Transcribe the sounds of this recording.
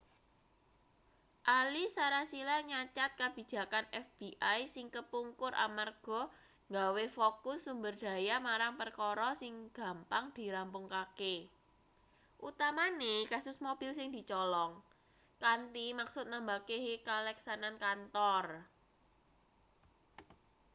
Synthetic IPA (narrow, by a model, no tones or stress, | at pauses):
ʔalisaɾasilaɲat͡ʃat̪̚kab̥i̤̥d͡ʒ̥a̤kanɛfb̥iʔajsɪŋkəpuŋkʊɾʔa̰marɡ̥ɔ̤ | ŋɡawefokʊsːumbərd̪̥a̤jamaɾaŋpərkɔɾɔsɪŋɡ̥ä̤mpaŋd̪̥i̤ɾampʊŋkake | ʔut̪amanekasʊsmob̥ɪ̤lsɪŋd̪̥i̤t͡ʃɔlɔŋ | kant̪imaksʊt̪̚nambakekalɛksanankant̪ɔr